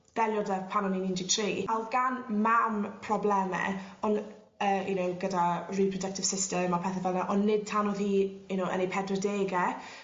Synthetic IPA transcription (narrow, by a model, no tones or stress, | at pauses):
d̥ɛlˠjɔdɛpʰanɔninɪndɪɡ̚tʰriːalˠɡanmampʰrɔblɛmɛ̰ɔn | əːjunowɡədaripʰrɔdək̚tɪv̥sɪstəmapʰɛθɛvɛlˠnɛʔɔnːɪd̚tʰanɔðhiːjunowə̰nepʰɛdrɔdeːɡɛ